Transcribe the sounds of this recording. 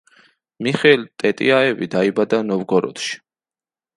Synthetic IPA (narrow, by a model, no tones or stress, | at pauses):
miχɛlt̪ʼɛt̪ʼḭaɛvid̪aibad̪anɔvɡɔɾɔ̰t̪ʰʃi̥